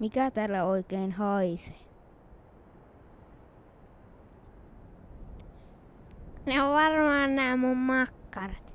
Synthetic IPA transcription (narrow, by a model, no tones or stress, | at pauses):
mikæt̪æːlːæoikeːnhɑise̥ | neoʋʋɑrmɑːnnæːmmummɑkːɑrɑt̪